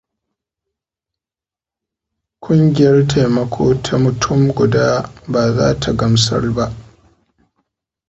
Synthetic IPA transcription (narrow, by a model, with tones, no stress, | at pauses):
kʷʼʊ˦ŋɡʲɪ˦˨jɐ˦rtʰa˨jmɐ˦kʷʰoː˦tʰa˦mʊ˨tʰʊ˦mɡʷʊ˨daː˦baː˨zaː˦tʰa˨ɡɐ˨msɐ̰˦rba˦ʔ